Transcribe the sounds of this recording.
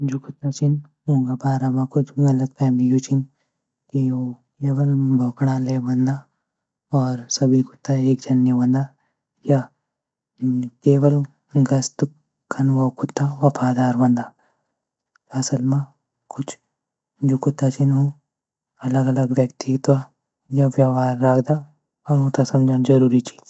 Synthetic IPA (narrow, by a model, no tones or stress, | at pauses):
d͡ʒukʊt̪ːat͡ʃin | ɦũːɡabaːɾamãkʊt͡ʃʰɡɐləɡ̪̚pɛːmijut͡ʃin | kio | keːwəlbʱoːkɽaleːbɐ̃nd̪aː | ɔːɾsɐbʱikʊ̥t̪ːaeːk̚d͡ʒʱɐnjəbɐ̃nd̪a | ja | keːwəl | ɡɐst̪ | kʰːɐnʋokʊt̪ːaʋɐpʰaːd̪aːɾbɐ̃nd̪aː | ɐsəlmã | kʊt͡ʃʰ | d͡ʒoːkʊt̪ːat͡ʃɪnɦõ | ɐləɡɐləɡʋjɐkt̪it̪wa | jaʋjaːʋaːɾːaːkʰd̪a | ɔːɾɦot̪asɐmd͡ʒand͡ʒɐɾuːɾit͡ʃi̥ːd͡ʒ